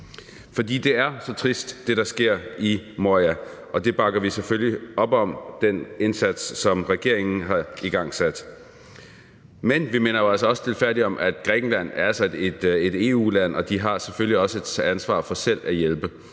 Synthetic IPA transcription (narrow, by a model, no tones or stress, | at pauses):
fɒ̽d̥ḭːd̥e̝æɐsɒ̽t͡sʰʁisd̥ːe̝ɾ̥ɑ̈sɡ̥e̝ɐ̰imoæʔɒ̽d̥e̝b̥ɑ̈ɡ̥ɐʋiseføljiɒ̽b̥ɒ̽md̥ene̝nsæd̥sːɒ̽mʁɛɡ̥e̝ɐe̝ŋn̩ɦɑ̈iɡ̥ɑ̈ŋ̰sæd̥ | menʋime̝ːnɐjoælsɒɒ̽st͡sʰe̝lfæɐdiɒ̽mʔæd̥ɡ̥ʁɛːɡ̥n̩læn̰æɐæsæd̥ed̥ed̥e̝ːṵːlæn̰ɒ̽d̥iɦɑ̈sefølliɒ̽səæænsʋɑ̰̈ːfɒ̽sel̰æjelb̥ə